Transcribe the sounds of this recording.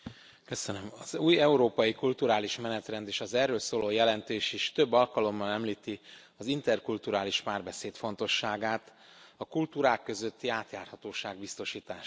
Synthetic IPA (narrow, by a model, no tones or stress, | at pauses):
kø̞sønømɒzuːjɛuɾoːpɒjikult̪uɾaːliʃmɛnɛt̪rɛnd̪eːʃɒzɛrøːlsoːloːjɛlɛnt̪eːʃiʃt̪ø̞bːɒlkɒlo̞mːɒnɛmliːt̪i | ɒzint̪ɛrkult̪uɾaːliʃpaːrbɛseːt̪fo̞nt̪o̞ʃːaːɡaːt̪ | ɒkult̪uːɾaːkːø̞zø̞t̪ːiaːt̪jaːrhɒt̪oːʃaːɡbist̪o̞ʃiːt̪aːʃ